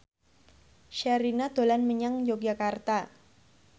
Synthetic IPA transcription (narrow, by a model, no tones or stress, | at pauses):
ʃaɾinad̪̥o̤lanməɲaŋjoɡ̚d͡ʒakart̪a